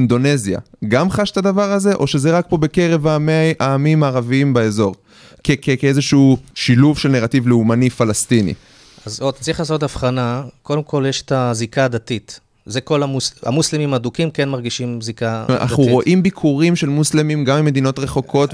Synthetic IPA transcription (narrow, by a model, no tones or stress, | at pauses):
ind̪o̞ne̞zja̰ɡamχaʃt̪adavaʁaze̞ʔo̞ʃe̞zeʁak̚po̞be̞ke̞ʁe̞vameaːmimaːʁaviimbeezo̞ʁ | kekekeezeʃuuʃiluvʃe̞lneʁativleumanifalast̪inḭ | azot̪ḁt͡sʁiχlaːsot̪̬afχanako̞d̪emkʰo̞ljeʃe̥tazikaːd̪at̪it̪ | zeko̞lamusa̰muslemimadukimkenmaʁɡiʃimzika̰ʔa̰χuʁo̞ʔʔimbikʰuʁimʃe̞lmuslemimɡamimːe̞d̪ino̞tʁe̞χo̞kʰo̞t